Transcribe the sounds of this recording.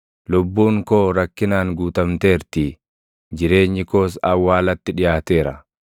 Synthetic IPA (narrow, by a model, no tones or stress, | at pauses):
lʊbːuːŋkoːɾɐkːɪnaːŋɡuːt̪ɐmt̪eːɾt̪iː | d͡ʒɪɾe̞ːɲːɪko̞ːs̬ɐwːaːlɐt̪ːɪᶑɪjaːt̪e̞ːɾɐ